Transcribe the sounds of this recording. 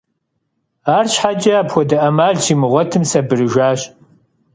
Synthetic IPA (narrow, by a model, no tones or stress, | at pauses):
aːrɕħad͡ʒʼɐaːpxʷɔdɐʔɐmaːɮsʰiːmɨʁʷɔtʰɨmsɐbɨrɨʒʷaːɕ